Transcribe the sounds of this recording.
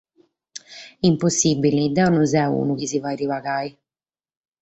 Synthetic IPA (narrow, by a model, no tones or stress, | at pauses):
imposːibːilid̪anuzɛṵnukisivajɾivaɡaːj